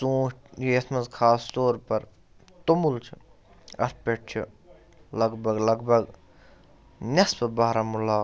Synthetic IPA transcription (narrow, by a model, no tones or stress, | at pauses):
sũːʃʈiesmɐzkʰaːst̪oːɾpɐɾ | t̪omult͡ʃʰi | ɐ̰t̪̚pʲeʈ̚t͡ʃʰḭ | lɐɡbʱɐɡlɐɡbʱɐɡ | nʲɐspɐbaːɾamulaː